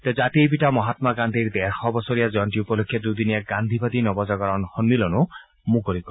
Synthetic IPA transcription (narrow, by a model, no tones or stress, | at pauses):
t̪ɔd͡ʒat̪iebiʈamɔɦat̪maɡand̪ʱiɾd̪ɛɾxɔbɔsɔɾijad͡ʒɔnʈiupɔlokʰːjɔd̪ud̪iniaɡand̪ʱibad̪inɔbɔd͡ʒɔɡɔɾɔnhɔnːilɔnu | muɡɔɾikɔ